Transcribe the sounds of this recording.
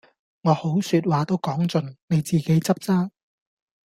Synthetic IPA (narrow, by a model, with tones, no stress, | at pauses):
ŋɔː˨˧ho˨˥wsyː˧t̚waː˨t̪o˥wkɔː˨˥ŋt͡sɵ˨˩nne˨˧jt͡siː˨˩ke˨˥jt͡sɐ˥p̚t͡saː˥